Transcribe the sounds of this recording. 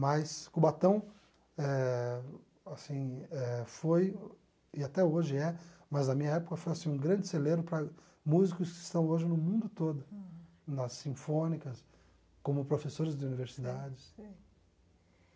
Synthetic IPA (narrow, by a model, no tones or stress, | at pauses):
mɐjskubat̪ɐ̃w̃ | ɛ | asĩɛfoj | ɪat̪ɛoʒɪɛmɐznɐmĩɲɐɛpʊkɐfojasĩũɡɾɐ̃nd͡ʒɪselebɾʊpɾɐ | muzikʊskɪst̪ɐ̃w̃oʒɪnʊmũnd̪ʊt̪od̪ʊ | nɐsːĩfõnikɐs | kõmʊpɾofesoɾɪzd͡ʒ̪ɪuniveɾsid̪ad͡ʒɪsĩ